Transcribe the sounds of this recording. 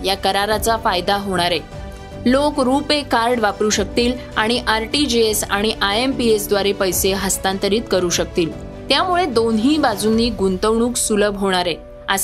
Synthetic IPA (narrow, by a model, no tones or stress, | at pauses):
jakəɾaɾat͡safajd̪aɦoɽ̃aɾe | lokɾupekaɾɖʋapɾuːɕək̚t̪iːlaɽ̃iʔaɾʈid͡ʑeesa̰ɽ̃iʔaempiesd̪ʋaɾepəjseɦəst̪ant̪əɾiːt̪kəɾuːɕək̚t̪iːl | t̪jamuɭed̪onɦiːbad͡zunːiːɡunt̪əʋɳ̃uːksuləbɦoɽ̃aɾe | əs